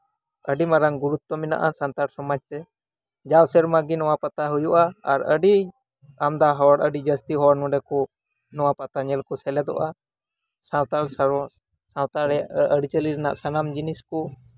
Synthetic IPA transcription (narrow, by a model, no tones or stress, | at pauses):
əɖimaɾaŋɡuɾut̪̚ːɔmina̰ʔasant̪aɽsɔmad͡ʒt̪ɛ | d͡ʒawsɛɾmaɡinɔwapat̪aɦujuʔaaɾəɖi | amd̪aɦɔwaɽəɖid͡ʒəst̪iɦɔwaɽnɔ̃ɖɛkɔ | nɔwapat̪aɲɛlkɔsɛlɛd̪ɔ̰ʔa | sawt̪aɽ | sawt̪aɽəɖit͡ʃəliɾɛna̰ʔsanamd͡ʒiniskɔ